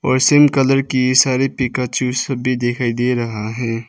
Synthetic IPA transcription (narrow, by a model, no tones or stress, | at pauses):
ɔːɾseːmkələɾkisaːɾepikat͡ʃuːsəbʱid̪eːkʰaːid̪eɾɐɦaɦɛ̃ː